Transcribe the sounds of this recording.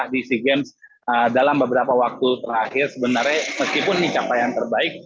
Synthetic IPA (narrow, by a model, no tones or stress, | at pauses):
ahdisiɡɛns | ədalambəbəɾapawak̚t̪ut̪əɾɾahɪrsəbənarɲaməskipʊnːit͡ʃapajant̪ərbaɪk̚